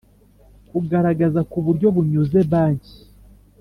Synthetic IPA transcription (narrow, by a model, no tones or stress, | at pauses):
kuɡaɾaɡazakuβuɾɟo̞βuɲuze̞βaːɲɟi